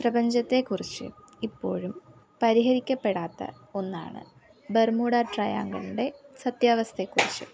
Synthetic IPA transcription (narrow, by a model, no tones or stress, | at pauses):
prɐbɐɲd͡ʑɐt̪ːe̞kːurit͡ɕːɨ̰ | ipːo̞̰ːɻum | pɐɾiɦɐɾikʲːɐpːe̞ɽaːt̪ːɐ̰ | o̞nːa̰ːɳɨ̰ | bermuːɽaːʈrɐja̰ːŋɡɐluɖe̞sɐt̪jaːʋɐst̪ʰe̞kːurit͡ɕːɨ̰